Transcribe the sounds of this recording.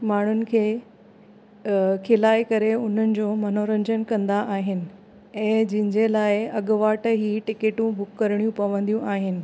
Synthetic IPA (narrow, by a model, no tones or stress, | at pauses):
maːɳ̤ʊnɪ̆kʰeː | kʰelaːjkəɾeʊn̤ənɪ̆d͡ʑoːmɐnoɾə̃ɲd͡ʑənkɐ̃nd̪aʔaːɦɪnɪ̆ | ɛ̃ːd͡ʑɪ̃ɦɪ̃ɲd͡ʑelaːɪɐɠʋaːʈəɦiːʈɪkeːʈũbʱʊkːəɾɽ̃ijũpɐʋə̃nd̪ijũʔaːɦɪnɪ̆